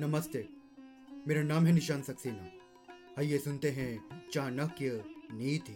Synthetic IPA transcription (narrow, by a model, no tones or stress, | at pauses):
nɐməst̪eː | meːɾanaːmɦɛ̃nɪʃaːnsɐksiːne | hɐijesʊnt̪eɦɛ̃t͡ʃãːnɐkjəniːt̪ʰi